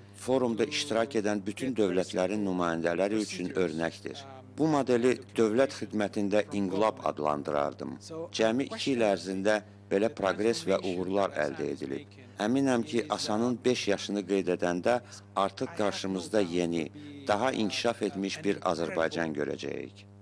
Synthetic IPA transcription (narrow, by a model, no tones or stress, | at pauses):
fo̞ɾumd̪ɑʔiʃt̪iɾɑcʰe̞d̪ænbyt̪ʰynd̪ø̞vlæt̪ʰlæɾinːymɑːjænd̪ælæɾiyt͡ʃʰynø̞ɾnæcd̪ḭɾ | b̥umod̪e̞lid̪̥ø̞vlæt̪xid̪mæt̪ʰind̪æʔiŋɡilˠobɑ̰d̪lˠɑ̰nd̪ɯɾɑ̰ɾd̪ɯ̰md͡ʒæmiʔicʰiilæɾzind̪æ | b̥e̞læpʰɾo̞ɡɾe̞svæʔuɣuɾlˠɑɾæ̰ld̪æe̞̰d̪ḭlḭb̚ | æminæmcʰiʔɑsɑnɯnbe̞ʃjɑʃɯnɯɡe̞jd̪e̞d̪ænd̪æ | ɑɾt̪ʰɯχɡɑɾʃɯmɯzd̪ɑje̞nid̪̥ɑɦɑʔḭncʰi̥ʃɑfe̞t̪miʃbiɾɑ̰zæɾbɑjd͡ʒɑnɟø̞̰ɾæ̰d͡ʒæ̰jḭc